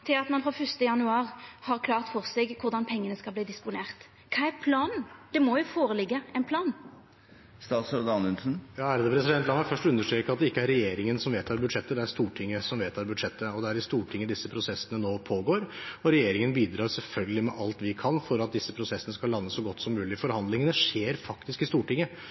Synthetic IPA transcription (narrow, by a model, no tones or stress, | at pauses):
t̪ʰɪlɑt̪mɑnfʁɔfʏst̪əjɑnʉɑːʁhɑɾkʰlɑːʁt̪fɔʁseɡkʰʊɾd̪ɑnpʰɛŋːənəskɑlbliːd̪ɪspʊneːɾt̪ | kʰɑːæɾpʰlɑːnnd̪̥ɛmɔjʊfoːɾəlɪɡːəɛnpʰlɑːn | st̪ɑːt̪sɾd̪ɑnʉnsn̩jɑːæɾd̪ɛpʰɾɛsɪd̪ɛnt̪lɑnʋɑfœʂʈʉnːəʂʈ̪ɾɛːkəɑt̪d̪ɛɪkːəæɾːɛjeːɾɪŋənsɔmʋeːt̪ʰɑːɾbʉd̪ʂɛt̪ːəd̪ɛæɾst̪uːʈʰɪŋːəsɔmʋeːt̪ʰɑɾbʉd̪ʂɛt̪ːəɔd̪ɛæɾɪst̪uːʈʰɪŋːəd̪ɪsːəpʰɾʊsɛsːənənoːpʰoːɡoːɾɔɾɛjeːɾɪŋənbiːd̪ɾɑːɾsɛlfœlɡəlɪmɛʔɑlt̪ʋɪkʰɑnfɔɾɑt̪̚d̪ɪsːəpʰɾʊsɛsːənəskɑlːɑnːəsːɔɡɔt̪ːsɔmːʉːlɪfɔɾhɑnd̪lɪŋənəʂeːɾfɑkt̪ɪskɪst̪uːʈɪŋːə